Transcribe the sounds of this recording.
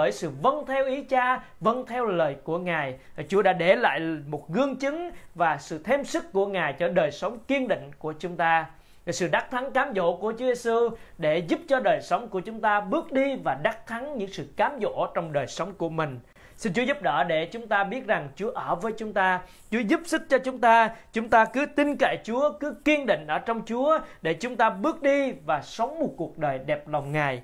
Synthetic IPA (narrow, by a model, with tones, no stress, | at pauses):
əː˧˩jsɨ̰˧˨və˧nt̪ʰɛ˧wʔi˨˦t͡ɕaː˧ | və˧nt̪ʰɛ˧wləː˨˩jku˧˩əŋaː˨˩jt͡ɕu˨˦ɗa̰ː˧˥ɗe˧˩la̰ː˧˨jmo˨˩t̚ɣɨ˧əŋt͡ɕɨ˨˦ŋvaː˨˩sɨ̰˧˨t̪ʰe˧msɨ˦˥k̚ku˧˩əŋaː˨˩jt͡ɕɔ˧ɗəː˨˩jsə˨˦wŋ͡mki˧ənɗḭ̈˧˨ŋ̟ku˧˩ət͡ɕʊ˨˦ŋ͡mt̪aː˧˩ | sɨ̰˧˨ɗa˦˥k̚t̪ʰa˨˦ŋkaː˨˦mzo̰˧˥ku˧˩ət͡ɕu˨˦ze˧su˧ɗe˧˩zu˦˥p̚t͡ɕɔ˧ɗəː˨˩jsə˨˦wŋ͡mku˧˩ət͡ɕʊ˨˦ŋ͡mt̪aː˧ɓɨ˦˥ək̚ɗi˧vaː˨˩ɗa˦˥k̚t̪ʰa˨˦ŋɲɨ̰˧˥ŋsɨ̰˧˨kaː˨˦mzo̰˧˨t͡ɕɔ˧wŋ͡mɗəː˨˩jsə˨˦wŋ͡mku˧˩əmï˨˩ŋ̟ | si˧nt͡ɕu˨˦zu˦˥p̚ɗə̰ː˧˩ɗe˧˩t͡ɕʊ˨˦ŋ͡mt̪aː˧ɓi˦˥ət̚za˨˩ŋt͡ɕu˨˦əʔəː˧˩vəː˨˦jt͡ɕʊ˨˦ŋ͡mt̪aː˧ | t͡ɕu˨˦əzu˦˥p̚sɨ˦˥k̚t͡ɕɔ˧t͡ɕʊ˨˦ŋ͡mt̪aː˧t͡ɕʊ˨˦ŋ͡mt̪aː˧kɨ˨˦t̪i˧nke˧˩t͡ɕu˨˦əkɨ˨˦ki˧ənɗḭ̈˧˨ŋ̟ʔəː˧˩t͡ɕɔ˧wŋ͡mt͡ɕu˨˦əɗe˧˩t͡ɕʊ˨˦ŋ͡mt̪aː˧ɓɨ˦˥ək̚ɗi˧vaː˨˩sə˨˦wŋ͡mmo˨˩t̚ku˨˩ək̚ɗəː˨˩jɗɛ˨˩p̚la˨˩wŋ͡mŋaː˨˩j